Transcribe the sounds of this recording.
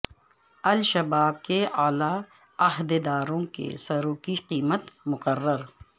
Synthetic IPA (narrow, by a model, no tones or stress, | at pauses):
ɐlʃɐbaːb̚keaːla | ɐɦd̪ed̪aːɾõkḛsɐɾoːkiqiːmət̪mʊkərːəɾ